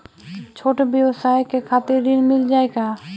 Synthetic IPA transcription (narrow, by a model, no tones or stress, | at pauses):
t͡ʃʰoːʈbjəwsaːjkekʰaːt̪ɪɾd̪ɪnmɪld͡ʒaːeɡaː